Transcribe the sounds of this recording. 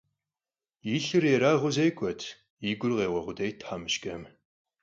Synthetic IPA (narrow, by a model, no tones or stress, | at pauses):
jiːɬɨreɾaːʁʷʊzejkʷʰʼɔtʰ | iːɡʷʊrʁeːʁɐʁʷʊdejtʰħamɨʃkʼɐm